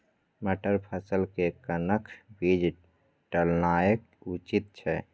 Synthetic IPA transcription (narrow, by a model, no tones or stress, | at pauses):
məʈəɾpʰəsəlkekənəkʰbid͡ʒ | ʈəlnaːjək̚ | ut͡ʃit̪̚t͡ʃʰɛ